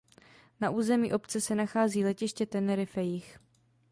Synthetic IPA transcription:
naʔuːzɛmḭːʔo̞pt͡sɛsɛnaxaːziːlɛcɪʃcɛt̪ɛnɛɾɪfɛjɪx

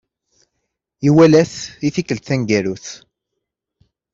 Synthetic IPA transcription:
iwælæθiθikːəlt̪θænɡæɾuθ

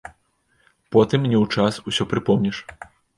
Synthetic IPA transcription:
pɔt̪ɨmnʲɛwt͡ʂasusʲɔpɾɨpɔmnʲiʂ

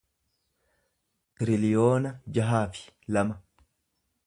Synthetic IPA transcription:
t̪ɪɾɪlɪjoːnɐd͡ʒɐɦaːfɪ̥lɐmɐ

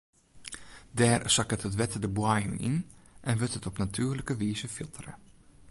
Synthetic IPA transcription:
dɛːrsakəthətʋɛtədəbwajənʔḭnʔɛnʋøtɦətɔpnatʰyːrləkəʋiːzəfilˠtərə̰

